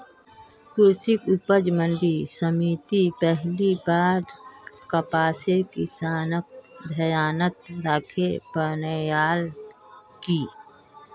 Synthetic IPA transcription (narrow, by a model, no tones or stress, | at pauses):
kʊɾsɪkʊpəd͡ʒmə̃nɖisəmiːt̪ipɛɦlibaːɾkəpaːsekɪsaːnək̚d̪ʱəjaːnət̪ɾaːkʰepənəjaːl | kiː